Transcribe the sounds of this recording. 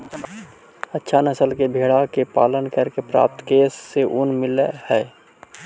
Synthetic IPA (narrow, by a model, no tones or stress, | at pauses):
ətːʃʰanəsəlkebʱeːɽakepa̰ːlənkəɾkepɾa̰ːp̚t̪keːsːeʔʊnmɪlehɛː